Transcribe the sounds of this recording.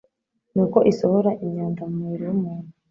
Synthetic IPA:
nuːko̞ʔisohoɾaʔimɲaːnzamumuiɾojumuːn̥u

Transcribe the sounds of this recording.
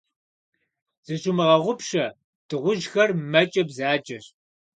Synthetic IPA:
z̥ɨɕʼumɨʁɐʁʷʊpɕɐ | d̥ɨʁʷʊʒxɐrmɐt͡ʃʼɐbzaːt͡ʃʼɐɕ

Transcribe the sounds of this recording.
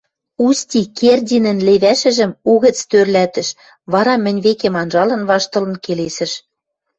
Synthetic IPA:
ust̪ʲikerdʲinɘ̆nleβæʃɘ̆ʒɘ̆muɣɘ̆t͡st̪ørlæt̪ɘ̆ʃ | βɑɾɑmɘ̆nʲβekemɑnʒɑlɤ̆nβɑʃt̪ɤ̆lɤ̆nkelesɘ̆ʃ

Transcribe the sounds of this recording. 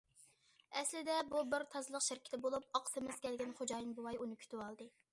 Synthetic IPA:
ɛslɪd̪ɛbubɪɾt̪ʰɑzlˠəqʃɪɾkʲʰɪ̥t̪ʰɪbolˠup̚ɑqʰsɨmɪz̥kʲʰɛlɡʲɛnχod͡ʒɑːjɨnbuwɑjunɨkʲʰy̥t̪ywɑlˠd̪ɨ

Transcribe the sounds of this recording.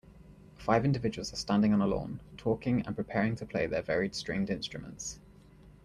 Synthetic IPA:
faɪvɪ̃ndɪvɪd͡ʒəwəlˠzəstãndɪ̃ŋə̃nəlɔ̰̃ːntʰɔˑkɪ̃ŋə̰̃npʰɹ̥ɪpʰɛːɹɪ̃ŋtʰəpʰl̥eɪðəvɛːɹɪd̥stɹ̥ẽɪ̃ndɪ̃nstɹ̥əmə̃nts

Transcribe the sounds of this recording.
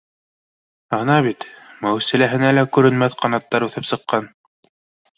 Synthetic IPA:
ɑnɑβit̪mæwsɘ̆læɦɘ̆nælækʉɾɘ̆nmæθqɑnɑt̪ːɑɾʉθɘpsɤ̆qːɑn

